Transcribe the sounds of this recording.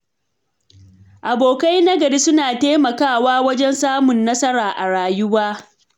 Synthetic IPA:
ʔa˨boː˨ka˦jnɐ˦ɡɐ˨ɽi˦sʊ˦naː˨teː˦mɐ˨kaː˦˨waː˦wɐ˦d͡ʒɛ˦nsaː˦mʊ˨nːɐ˦sɐ˦ɽaː˨ʔa˨ɽaː˨jʊ˦waː˦

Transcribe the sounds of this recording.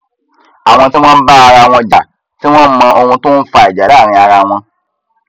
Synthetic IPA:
a˨w̃ɔ̃˨tɪ˦m̃ɔ̃˦m˦ba˦a˨ɾa˨wɔ̃˦d͡ʒa˨ | tɪ˦w̃ɔ̃˦m̩˦mã˨ʔo˨w̃ũ˦tʊ̃˦fa˨ɛ˨d͡ʒa˨da˦˨ɾ̃ɪ̃˨a˨ɾa˨w̃ɔ̃˦

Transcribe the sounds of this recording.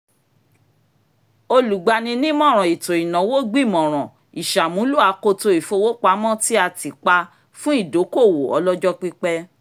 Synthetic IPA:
o˧lu˨ɡ͡ba˧nĩ˧nĩ˦mɔ̃˦˨ɾ̃ɔ̃˨i˨to˨i˨nɔ̃˨wo˦ɡ͡bi˦˨mɔ̃˨ɾ̃ɔ̃˨ | i˨ʃa˨mũ˨˦lu˦a˨˦ko˧to˧i˨fo˧wo˦k͡pa˧˦mɔ̃˦ti˦a˧ti˨k͡pa˧ | fũ˦i˦˨do˨˦ko˦˨wo˨ɔ̰˨˧lɔ˦d͡ʒɔ˦k͡pi˦k͡pɛ˦

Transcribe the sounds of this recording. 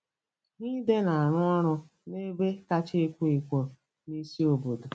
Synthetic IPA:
ni˦de˦na˨a˨ɾʊ˦ɔ˦ɾʊ˦ | ne˦be˦ka˦t͡ʃe˦e˦kʷe˦i˨kʷo˨ | ni˦si˦o˨bo˨do˨

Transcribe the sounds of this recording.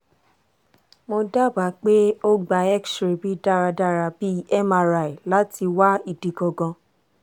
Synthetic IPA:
mo˧da˦˨ba˨˦k͡pe˦o˦ɡ͡ba˧˦ɛ˦kʃɾe˨bi˦da˦˨ɾa˧da˦˨ɾa˧bi˦ɛ˦ma˧ɾa˨i˨la˨˦ti˧wa˦i˦˨di˨ɡɔ˧ɡɔ̃˧

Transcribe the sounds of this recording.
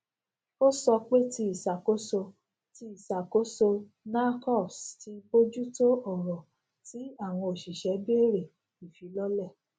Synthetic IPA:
o˦sɔ˧k͡pe˦ti˧i˨sa˨ko˦so˧ | ti˧˦i˨sa˨ko˦so˧ | na˦kɔ˦˨sti˧˦bo˦d͡ʒu˦to˦ɔ˦˨ɾɔ˨ | ti˦a˦˨w̃ɔ̃˧o˨ʃi˨ʃɛ˨˦bi˦e˦˨ɾe˨ | i˨fi˨˦lɔ˦lɛ˦˨

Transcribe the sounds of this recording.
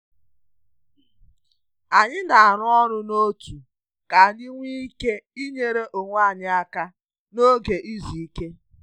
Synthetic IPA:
a˨ɲɪ˦da˨a˨ɾʊ˦ɔ˦ɾʊ˦no˦tu˨ | ka˨ɲi˦ŋʷi˦i˦ke˦i˦ɲe˨ɾe˦ʔo˨ŋʷa˦˨ɲɪ˦a˦ka˦ | no˦ɡe˨ʔi˦zi˨i˦ke˦

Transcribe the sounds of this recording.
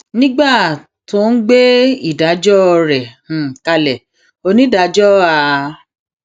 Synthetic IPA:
nĩ˦ɡ͡ba˦˨ | to˧˦n̩˦ɡ͡be˦i˦˨da˨˦d͡ʒɔ˦˧ɾɛ̃˨ | ka˧lɛ˨ | o˧nĩ˨˦da˧˦d͡ʒɔ˦a˧

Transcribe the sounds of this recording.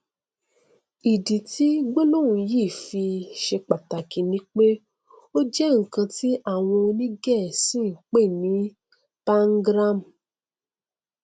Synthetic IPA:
i˨di˨ti˦ɡ͡bo˦lo˦˨ũ˨jiː˦˨fi˧ʃe˧k͡pa˨ta˨ki˨nĩ˨˦k͡pe˦ | o˦d͡ʒɛ˦ŋ̩˨kã˧ti˦ʔa˦˨w̃ɔ̃˧o˧nĩ˦ɡɛ˦˨sĩ˦˨k͡pe˦˨nĩ˨˦ | pa˦ŋ̩˦ɡɾa˦˨m˨

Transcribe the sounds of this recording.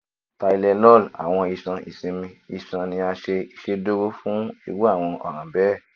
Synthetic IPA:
ta˧i˧lɛ˧nɔ˦˨la̰˨w̃ɔ̃˧i˧sã˧ʔḭ˨sĩ˧mĩ˧i˧sã˧nĩ˧a˧ʃe˧i˧ʃe˧do˦ɾo˦fũ˦ḭ˧wu˦a˦˨w̃ɔ̃˧ʔɔ̰˨ɾ̃ã˨bɛ˦˨

